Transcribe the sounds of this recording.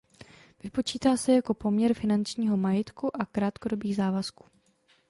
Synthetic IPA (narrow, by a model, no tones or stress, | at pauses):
vɪpo̞t͡ʃiːt̪aːsɛjako̞po̞mɲɛɾfɪnant͡ʃɲiːɦo̞majɪt̪kuʔakɾaːt̪ko̞do̞biːɣzaːvasku̥ː